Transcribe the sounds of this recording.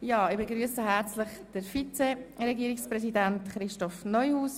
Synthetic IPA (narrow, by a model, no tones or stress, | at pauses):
jɑːɪbeɡɾyːəsəɦæɾt͡slɪχd̥əɾfit͡serɛɡiːɾɪksprɛsidæntχɾɪʃtɔfnɔjhuːs